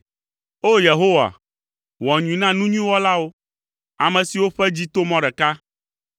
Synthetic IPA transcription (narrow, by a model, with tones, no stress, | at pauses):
o˦je˨ɦo˦wa̰˨ | wɔ˨ɲũ˨nã˦nũ˦ɲĩ˦wɔ˦la˦wo˦ | a˨mɛ̃˨si˨wo˦ɸɛ˦d͡ʑi˦t̪o˦mɔ̃˦ɖɛ˨ka˦